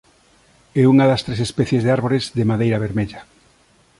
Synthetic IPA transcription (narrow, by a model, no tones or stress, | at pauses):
ɛuŋɐðɐst̪ɾesespɛθjezðeaɾβoɾezðemaðejɾaβeɾmeʎɐ